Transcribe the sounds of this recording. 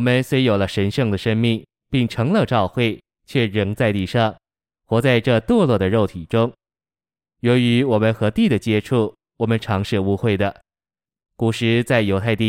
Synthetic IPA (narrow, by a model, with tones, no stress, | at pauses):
wɔ˨˩mə˦nswe˥ɪjo˨˩lə˦ʂə˧˥nʂɤ˥˩ŋd̪ə˩ʂə˥ŋmi˥˩ŋ | pi˥˩ŋʈ͡ʂʰɤ˧˥ŋlə˥˧ʈ͡ʂɑ˥˧ʊxwe˥˩ɪ | t͡ɕʰɥɛ˥˩ɻɤ˧˥ŋt͡sa˥˧ɪt̪i˥˧ʂɑ˥˩ŋ | xwɔ˧˥t͡sa˥˧ɪʈ͡ʂɤ˥˧t̪wɔ˥˧lwɔ˥˩d̪ə˩ɻo˥˩ʊt̪ʰi˨˩ʈ͡ʂʊ˥ŋ | jɔ˧˥ʊy˧˥wɔ˨˩mə˧˦nxɤ˧˥t̪i˥˩d̪ə˩t͡ɕjɛ˥ʈ͡ʂʰu˥˩ | wɔ˨˩mə˦nʈ͡ʂʰɑ˧˥ŋʂɻ̩˥˩u˥xwe˥˩ɪd̪ə˩ | ku˨˩ʂɻ̩˧˥t͡sa˥˩ɪjo˧˥ʊt̪ʰa˥˧ɪt̪i˥˩